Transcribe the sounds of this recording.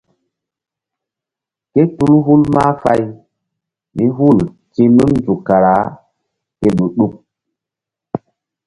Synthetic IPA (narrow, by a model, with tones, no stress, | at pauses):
ke˦tu˦lɦu˦lma˦fa˦j | mi˦ɦu˦˨l | tĩ˦mi˦nnd͡ʒu˨kːa˨ɾa˨˦ | ke˦ɗu˨ɗu˦k̚